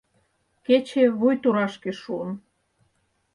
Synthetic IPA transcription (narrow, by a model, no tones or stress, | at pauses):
ket͡ɕeβujt̪uɾɑʃkeʃuən